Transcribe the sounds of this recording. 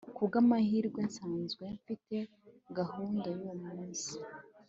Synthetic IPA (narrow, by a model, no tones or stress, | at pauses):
kuɡamahiːɾɡwensaːnzɡwe̞ɱfite̞ | ɡahuːndajomuːnsi̥